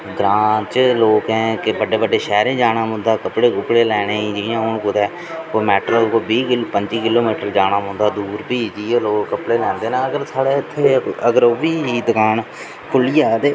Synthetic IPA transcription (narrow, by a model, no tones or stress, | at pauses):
ɡɾãːt͡ʃloːkɦɛ̃ːkebəɖeːbəɖeːʃɛːɾẽːd͡ʒaːɽaːmʊ̃ːnd̪aːkəpɽeːkʊkɽeːlɛːɽ̃eːĩːd͡ʒiːjãːɦʊɳkʊd̪ɛː | oːmɛːʈɾakoːbiːkpəɲd͡ʒiːkɪloːmiːʈəɾd͡ʒaːɽ̃aːmõnd̪aːd̪uːɾpiːd͡ʒiːeːloːkːəpɽeːlɛ̃ːnd̪eːnãːəɡəɾsaːɽeːɪt̪ʰːeːəɡəɾoːʋiːiːd̪əkaːn | kʰʊliːaːd̪eː